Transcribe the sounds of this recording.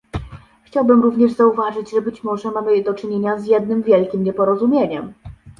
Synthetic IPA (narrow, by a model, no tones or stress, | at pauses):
xt͡ɕawbɘmɾuvɲɛʐzauvaʐɘd͡ʑʐɛbɘt͡ɕmɔʐɛmamɘd̪ɔt͡ʂɘɲeɲazjɛd̪̚nɘmvʲjɛlkʲimɲɛpɔɾɔzumʲjeɲɛm